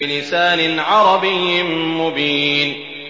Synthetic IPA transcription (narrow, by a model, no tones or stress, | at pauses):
ɪlɪsaːnɪnʕɑɾˤɑbɪjːɪmʊbiːn